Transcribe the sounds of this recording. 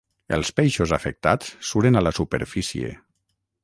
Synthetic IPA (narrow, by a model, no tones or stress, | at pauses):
elˠspejʃozafek̚t̪at͡sːuɾenalasupḛɾfisiḛ